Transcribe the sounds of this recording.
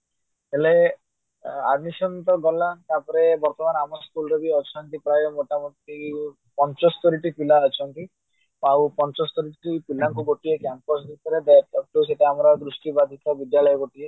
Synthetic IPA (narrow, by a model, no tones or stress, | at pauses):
ɦele | ad̪misɔnt̪ɔɡɔlat̪apɔɾebɔɾt̪ɔmanamɔskulɾɔbiɔt͡ʃʰɔnt̪ipɾajɔmoʈamɔt̪i | pɔnt͡ʃɔst̪ɔɾiʈipilaɔt͡ʃʰɔnk̪i | awpɔnt͡ʃɔst̪ɔɾiʈipilaŋkuɡoʈiekampɔs̬d̪it̪ʰɔɾed̪aʈɔk̚ʈuseʈeamɔɾɔd̪ɾusʈibad̪ʱit̪ɔbid̪jalɔjɔɡoʈie